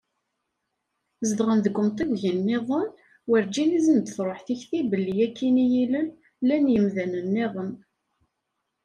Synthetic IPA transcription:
zəd̪ʁənðəɡʷːʊmt̪iwʝinːeðˤən | wəɾd͡ʒinizənd̪θɾˤoħθiçθibəlːijækːinijiləl | lːænjəmðænənːeðˤən

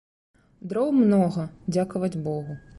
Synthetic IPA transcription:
d̪ɾɔwmnɔɣɐd͡zʲakɐvɐd͡zʲbɔɣu

